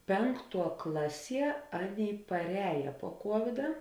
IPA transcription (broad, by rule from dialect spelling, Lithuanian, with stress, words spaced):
ˈpʲɛŋkˌtuɔ ˈklˠɑːˌsʲiɛ ˈɑːˌnʲeːɪ pɐrʲˈɛːjɛ puɔ ˈkuɔʋʲɪdɐ